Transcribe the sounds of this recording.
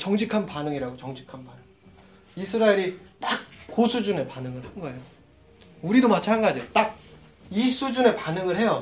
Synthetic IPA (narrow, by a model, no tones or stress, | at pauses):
t͡ɕʌŋd͡ʑʰikʰanpanɯŋiɾaɡot͡ɕʌŋd͡ʑʰikʰanbanɯŋ | isʰɯɾaeɾit͈ak̚k͈osʰud͡ʑune̞panɯŋɯɭhanɡʌe̞jo | uɾidomat͡ɕʰanɡad͡ʑiot͈ak̚ | isʰud͡ʑune̞panɯŋɯɭhe̞jʌ